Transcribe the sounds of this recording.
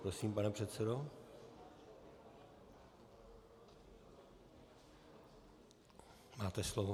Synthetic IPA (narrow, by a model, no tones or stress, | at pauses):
pɾo̞siːmpanɛpr̥ɛt̪sɛdo | maːt̪ɛslovo